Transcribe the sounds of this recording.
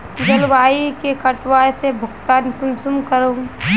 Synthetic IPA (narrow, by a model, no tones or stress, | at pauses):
d̪ɐlʋaːikekɐʈwaːsebʱʊɡt̪aːnkʊnsumkəɾo